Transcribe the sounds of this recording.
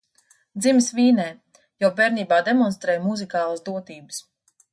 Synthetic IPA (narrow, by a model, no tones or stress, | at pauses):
d̪ziməsviːnɛː | jɔbɛːɾniːbaːd̪emɔnst̪ɾɛːjmuzikaːlˠasd̪uɔt̪iːbɨ̥s